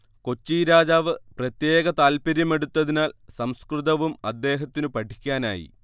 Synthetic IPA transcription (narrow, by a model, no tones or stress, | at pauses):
ko̞t͡ɕːiːɾaːd͡ʑaːʋɨprɐt̪je̞ːɣɐt̪aːlpɐɾjɐme̞ɽut̪ːɐðinaːlsɐmskrɨðɐʋumɐd̪ːe̞ːɦɐt̪ːinɨpɐʈʰi̥kʲːaːna̰ːjḭ